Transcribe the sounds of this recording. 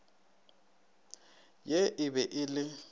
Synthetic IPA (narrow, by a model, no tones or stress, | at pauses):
jeʔɪbɛʔɪlɪ